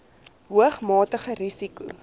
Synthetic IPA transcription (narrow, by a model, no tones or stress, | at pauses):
ɦuəχmɑːtəχəɾisiku